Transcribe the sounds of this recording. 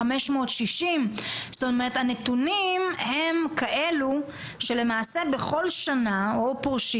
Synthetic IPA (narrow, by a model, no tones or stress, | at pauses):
ameʃmo̞ːt̪ʃiʃimstomeʁet̪hanetunimhe̞mkaʔe̞lu | ʃe̞le̞maːsebeχo̞lʃanaopoʁʃi